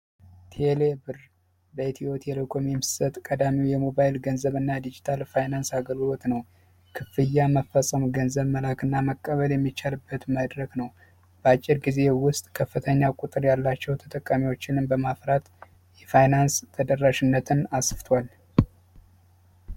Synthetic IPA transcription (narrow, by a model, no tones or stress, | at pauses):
t̪ʰelebɨr | bəet̪ʰio̞t̪ʰɛlokʰʼomimsɨ̥sət̪ʼkʼəd̪amiwjɛmo̞bajlɡənzəβɨnːad̪id͡ʒit̪ʰalfajnansaɡəlɡɨlo̞t̪nəw | kʰɨfɨjːaməfːəsʼəmɡənzəβməlakɨnːaməkʼːəβəljɛmːit͡ʃːalɨbːət̪məd̪ɾəɡnəw | b̥əat͡ʃʼːɪɾɡize̞wʊst̪ʼkʰəfːɨt̪ʰəɲːakʼut̪ʼɨɾjalːat͡ʃːɛwt̪ʰət̪ʼəkʼːamiwo̞t͡ʃːɪnɨmbəmafɾat̪ | jɛfajnanst̪ʰəd̪ərːaʃɪnːət̪ʰɨnasfɨt̪ʰwal